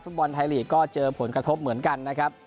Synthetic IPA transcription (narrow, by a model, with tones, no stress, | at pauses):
fu˦˥t̪̚bɔ˧nt̪ʰaː˧jliː˨˩kɔː˥˩t͡ɕɤː˧pʰo˩˦nkɾa˧t̪ʰo˦˥p̚mɯ˩˦ənka˧nːa˦˥kʰa˦˥p̚